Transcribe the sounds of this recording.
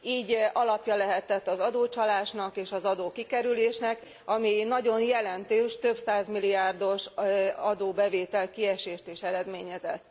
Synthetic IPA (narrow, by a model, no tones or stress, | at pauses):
iːɟʔɒlɒpjɒlɛɦɛt̪ːɛt̪ːɒzɒd̪oːt͡ʃɒlaːʃnɒkeːʃɒzɒd̪oːkikɛɾyleːʃnɛk | ɒminɒɟo̞njɛlɛnt̪øːʃt̪ø̞bsaːzmiliaːrd̪o̞ʃɒd̪oːbɛveːt̪ɛlkiɛʃeːʃt̪eːʃɛɾɛd̪meːɲɛzɛt̪ː